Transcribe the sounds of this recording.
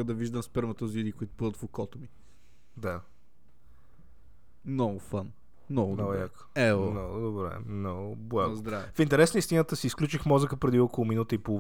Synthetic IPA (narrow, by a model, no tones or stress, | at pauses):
əd̪ɐviʒd̪əmspɛɾmət̪əzid̪ikʊit̪ʊ̥pəd̪ət̪fokɔt̪ʊmi | d̪a | nɔɡʊfan | nɔɡʊd̪ɔɡjak | ɛmnɔɡʊd̪obɾɛ̰mnɔɡʊblˠaɡzʊd̪ɾafint̪ɛɾɛsnəist̪inət̪əsiːsklʲut͡ʃixmɔzəkəpɾɛd̪iɔkolˠʊminut̪əipoo